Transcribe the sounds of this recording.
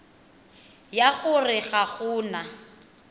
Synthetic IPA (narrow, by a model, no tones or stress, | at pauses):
jaɣʊrɪɣaɣʊːna